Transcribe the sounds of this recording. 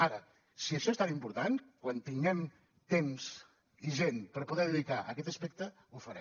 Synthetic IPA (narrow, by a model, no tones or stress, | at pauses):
aɾə | siəʃɔest̪animpuɾt̪ankwant̪iŋɡɛm | t̪emz | iʒenpəɾpuðɛðəðikaʔəkɛt̪əspɛk̚t̪ə | ufəɾɛ